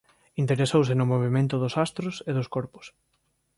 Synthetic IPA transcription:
int̪eɾesows̬ɪnʊmoβ̞imẽnt̪ʊðʊsast̪ɾʊseðʊskɔɾpʊ̥s

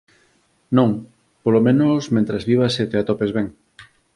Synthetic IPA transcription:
nõŋ | polomẽnosmẽnt̪ɾazβiβaset̪eat̪ɔpezβeŋ

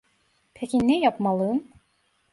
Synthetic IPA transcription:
pʰecʲinɛjapmalˠɯm

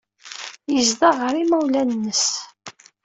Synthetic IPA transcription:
jəzd̪ɑʁəɾimæwlænːəs

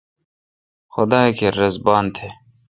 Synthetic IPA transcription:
xʊd̪aːekeɾɐzbaːnt̪ʰeː

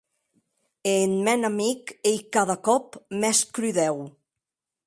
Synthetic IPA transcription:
enmɛnamikejkaðakɔpmɛskɾyðɛw

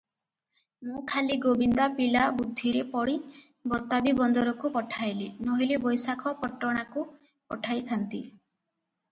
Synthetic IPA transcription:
mũkʰaliɡobind̪apilabud̪ʱːiɾepɔɽi | bɔt̪abibɔnd̪ɔɾɔkupɔʈʰajlinɔɦilebɔjsakʰɔpɔʈːɔɽ̃aku | pɔʈʰajt̪ʰant̪ḭ

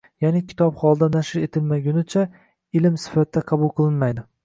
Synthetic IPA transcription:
janɪkʲʰɪ̥t̪ʰɒpχɒlˠd̪anaʃɪɾe̞t̪ʰɪlmaɡʲʊnɪt͡ʃʰa | ɪlɪmsɪ̥fat̪ɪd̪aqʰɑbʊlˠqʰɨlˠɪnmajd̪ɪ

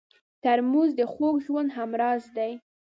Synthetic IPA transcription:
t̪aɾmuzd̪əxoɡʒwand̪ɦamɾɑzd̪aj

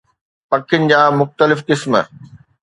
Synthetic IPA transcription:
pɐkʰɪnɪ̆d͡ʑaːmʊxt̪əlɪfqɪsmə

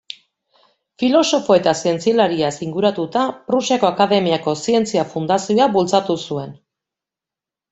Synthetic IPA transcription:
filo̞so̞fo̞e̞t̪asie̞nt͡sialaɾiasiŋɡuɾat̪ut̪apɾusako̞akaðe̞miako̞sie̞nt͡siafund̪asioaβult͡sat̪usue̞n

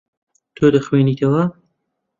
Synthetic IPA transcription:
t̪ʰod̪ɐxweːniːt̪ʰɐwɐ

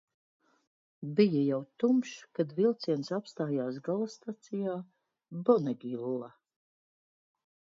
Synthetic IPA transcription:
bijajawt̪umʃkad̪vilˠt̪siɛnsapst̪aːjaːsɡalˠast̪at̪sijaː | bɔnɛɡilˠːa

